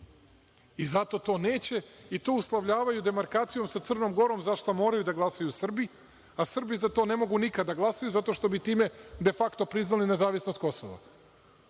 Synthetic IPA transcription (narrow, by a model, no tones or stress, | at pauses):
izat̪o̞t̪o̞ːne̞ːt͡ɕe̞it̪o̞ːuslˠaʋʎaːʋajud̪e̞maɾkaːt̪sijo̞msat̪sr̩no̞mɡo̞ɾo̞mzaʃt̪omo̞ːɾajud̪aɡlˠasajusr̩bi | asr̩bizat̪o̞ːne̞mo̞ɡunikad̪ːaɡlˠasajuzat̪o̞ʃt̪o̞bit̪iːme̞d̪e̞fakt̪o̞pɾiznaline̞zaːʋisnost̪ko̞so̰ʋa̰